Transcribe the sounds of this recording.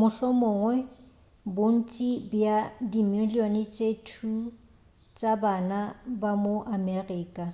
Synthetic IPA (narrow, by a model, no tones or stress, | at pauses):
mʊɬɔmʊːŋwɛ | bon̩t͡ʃʼibjadimolionɪt͡ʃʼetʰu | t͡ʃʼabanabamoʔameriːkʼa